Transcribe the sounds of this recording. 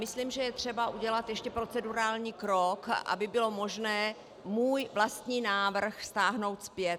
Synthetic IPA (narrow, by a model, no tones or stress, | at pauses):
mɪsliːmʒɛjɛt̪r̥ɛbaʔuɟɛlat̪jɛʃcɛpɾo̞t͡sɛduɾaːlɲiːkɾokʔa̰bɪbɪlo̞mo̞ʒnɛː | muːjvlast̪ɲiːnaːvr̩xfst̪aːɦno̞wt̪spjɛt̪